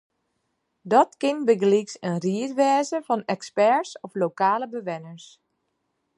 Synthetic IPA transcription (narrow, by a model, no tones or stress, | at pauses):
dɔtkɪnbəɡliksənriətʋɛːzəvɔnɛkspɛɹsɔflowkaːləbəʋɛnəɹs